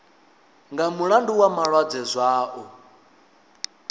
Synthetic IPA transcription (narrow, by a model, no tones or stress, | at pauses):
ŋɡamuɺanduwamaɺwad͡zɛzʷaːʔɔ